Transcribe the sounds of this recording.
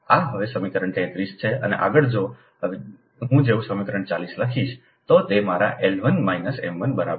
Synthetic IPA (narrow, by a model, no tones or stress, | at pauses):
aɦəʋesəmikɾəɳt̪ɛ̃t̪ɾist͡ʃʰeə̰nḛʔa̰ɡəɭd͡ʒo | ɦũd͡ʒeʋũsəmikɾəɳt͡ʃalisləkʰiʃ | t̪ot̪emaɾaʔelʋənmainəsemːənbəɾab